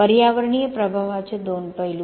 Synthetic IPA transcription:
əɾjaʋəɾɳijəpɾəbʱaʋat͡ʃʰed̪onpəɦilu

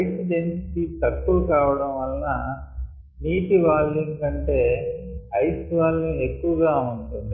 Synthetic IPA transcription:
ɐjsd͡ʒensi̥kit̪ɐkːulukaːʋɐɽɐ̃mʋɐlnɐ | niːʈiʋaːlːeŋkɐɳʈe̞ːɐjsʋaːlːiekːuʋɐɡaːuɳʈund̪i

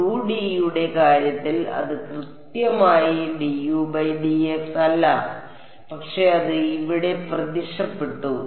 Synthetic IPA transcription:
uːɖijuɽe̞kaːɾjɐt̪ːilɐ̰ðɨkrɨt̪jɐmaːjiɖijuːbɐjɖiefsɐlːɐ | pɐkʂe̞ɐðɨiʋiɽe̞prɐðiʂɐpːeʈːu

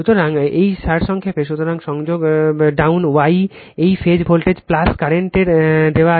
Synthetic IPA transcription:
ut̪oɾaŋejʃaɾʃɔŋkʰepeʃut̪oɾaŋʃɔŋd͡ʑoɡɖawnwaj | ejfʰed͡ʑbʱolʈed͡ʑplaskaɾeɳʈeɾd̪ewa

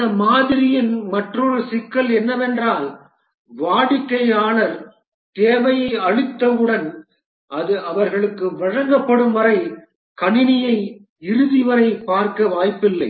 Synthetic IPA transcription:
ɐmaːðɪɾɪjɪnmɐʈrɔɾɯsɪkːɐlɛnːɐʋɛndraːl | ʋaːɽɪkːɐɪaːnɐɾ | t̪eːʋɐjɐɪɐɻɯt̪ːɐʋɯɽɐn | ʔɐðɯʔɐʋɐɾɣɐɭɯkːɯʋɐɻɐŋɡɐpːɐɽɯmʋɐɾɐɪ | kɐɳɪnɪjɐɪ | ɪɾɯðɪʋɐɾɐɪpaːɾkɐʋaːjpːɪlːɐɪ

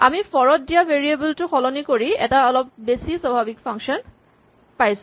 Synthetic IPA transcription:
amifɔɹɔt̚dijabeɹiebultʊxʰɔlɔnikoɹiɛ̰taɔlɔp̚besisabʱabikpʰaŋkʃɔn | pajsʊ

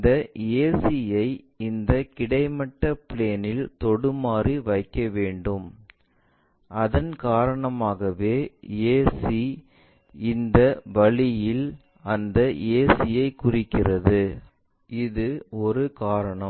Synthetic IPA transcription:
d̪ɐeːsijɐɪ | ɪnd̪ɐkɪɽɐɪmɐʈːɐpɪɭeːnɪlt̪ɔɽɯmaːriʋɐɪkːɐʋeːɳɖɯm | ʔɐðɐnkaːɾɐɳɐmaːɣɐʋeːeːsi | ɪnd̪ɐʋɐɭɪjɪl | ɐnd̪ɐʔeːsɪjɐɪkʊrɪkːɪrɐðɯ | ɪðɯɔɾɯkaːɾɐɳɐ

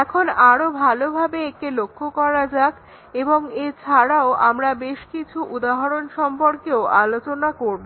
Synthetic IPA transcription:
ɛkʰonaɾobʱalobʱabeekelokʰːokɔɾad͡ʑak | eboŋet͡ɕʰaɾaoʔamɾabeʃkit͡ɕʰuʔud̪aɦaɾonʃɔmpoɾkeoʔa̰lot͡ɕonakoɾbo

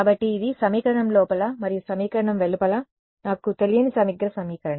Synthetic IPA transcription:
kaːbɐʈːiːd̪isɐmiːkɐɾɐɳɐmlɔːpɐlɐmɐɾijusɐmiːkɐɾɐɳɐmʋeɭupɐlɐ | naːkut̪elijɐnisɐmiɡɾɐsɐmiːkɐɾɐɳɐ

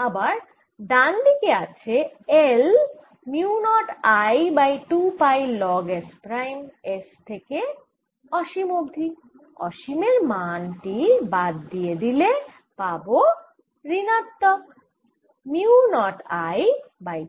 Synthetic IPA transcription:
abaɾ | ɖand̪ikeat͡ɕʰeel | miunɔʈajbajʈupajlɔɡespɾajmest̪ʰeke | ɔʃimoɡd̪ʱi | ɔ̰ʃimeɾmanʈibad̪ːijed̪ile | pabo | ɾinat̪ːɔk | miunɔʈajbaj

